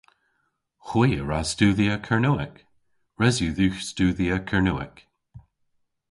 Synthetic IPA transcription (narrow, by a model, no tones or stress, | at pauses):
xwijəɹastuːðiəkʰəɹnuːɛk | ɹɛzjuːðʉːxstuːðiəkʰəɹnuːɛ̰k